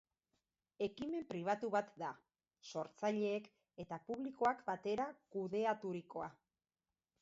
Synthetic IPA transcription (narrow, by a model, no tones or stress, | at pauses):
e̞kime̞mpɾiβ̞at̪uβat̪d̪a | so̞ɾt͡saʎe̞ːk | e̞t̪apuβliko̞akbat̪e̞ɾakuðe̞at̪uɾiko̞a̰